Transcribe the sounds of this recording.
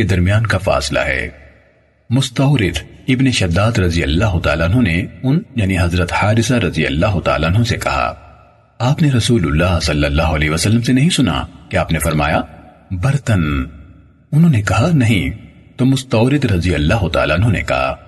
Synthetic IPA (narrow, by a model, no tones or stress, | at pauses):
ked̪ɐɾmijaːnkafa̰ːsla̰ɦɛ̰ː | mʊst̪ɐːɾɪd̪ɪbneʃɐd̪ːaːd̪ɾɐzijɐlːaːɦʊt̪a̰ːlaɐnɦõneʊnjaːniɦɐzɾət̪haːɾɪsaɾɐzijɐ̰lːaːɦʊt̪a̰ːlaɐnɦõsekɐɦa̰ː | aːpneɾɐsuːlʊlːaːɦsɐlːəlːaːɦʊɐlɛːʋɐsɐlːəmsenɐɦĩsʊna̰keaːpnefɐɾma̰ːja | bɐɾt̪ən | ʊnɦõːnekɐɦanɐɦĩ | t̪oːmʊst̪ɐːɾɪd̪ɾɐzijɐlːaːɦʊt̪a̰ːlaɐnɦõːnḛkɐ̰ɦa̰ː